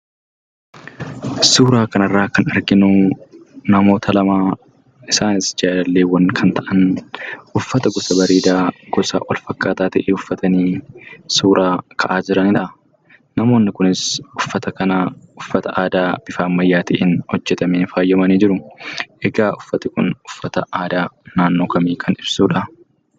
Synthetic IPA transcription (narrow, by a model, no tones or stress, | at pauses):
suːɾaːkɐnɐrːaːkɐnɐɾɡɪnʊ | nɐmo̞ːt̪ʰɐlɐmaː | ʔɪsaːnɪsd͡ʒaːlɐlːeːwɐnkʰɐnt̪ɐʔɐnʔʊfːɐt̪ɐɡɔsɐbɐɾeːd̪aːɡ̥ɔsɐ̰wʔɔ̰lfɐkːaːt̪aːt̪ɐʔeːʊfːɐt̪ɐniːsuːɾʔaːkʰɐʔaːd͡ʒɪɾɐnɪᶑɐ | nɐmo̞ːnːɪkʊnɪsʊfːɐt̪ɐkɐnaʊfːɐt̪ɐʔaːd̪aːb̥ɪfaːmmːɐjːaːt̪ɐʔenhɔd͡ʒːɛt̪ɐmeːnfaːjːɐmɐniːd͡ʒɪɾʊʔɛɡaːʔʊfːɐt̪ɪkʊ̰nʊ̥fːɐt̪ɐaːd̪aːnaːnːoːkɐmiːkʰɐnɪb̥suːᶑɐ